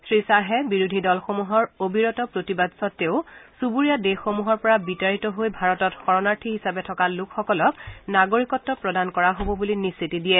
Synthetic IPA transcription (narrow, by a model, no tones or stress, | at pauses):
sɹisaɦɛbiɹudʱidɔlxomuɦɔɹobʱiɹɔtɔpɹotibadsɔtːeʊsubuɹijadexomuɦɔɹpɔɹabitaɹitɔɦojbʱaɹɔtɔtxɔɹɔnaɹtʰiɦisabɛtʰɔkalʊkʰxɔkɔlɔknaɡoɹikɔtːɔpɹɔdankɔɹaɦobɔbulinisːitidijɛ